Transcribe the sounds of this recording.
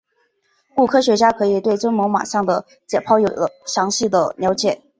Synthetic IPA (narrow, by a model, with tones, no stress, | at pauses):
u˥˩kʰɤ˥ɕɥɛ˧˥t͡ɕja˥kʰɤ˧˥i˨˩t̪we˥˩ɪʈ͡ʂwə˥nmo˧˥ŋma̰˨˩ʂɑ˥˩ŋd̪ə˩ | t͡ɕjɛ˨˩pʰɑ˥˩ʊjo˨˩ʊlə˦ɕjɑ˧˥ŋɕi˥˩d̪ə˩njɑ˧˥ʊt͡ɕjɛ˨˩˦